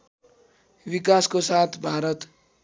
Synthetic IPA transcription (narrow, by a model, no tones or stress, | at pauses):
bikaskosat̪ʰbʱaɾʌt̪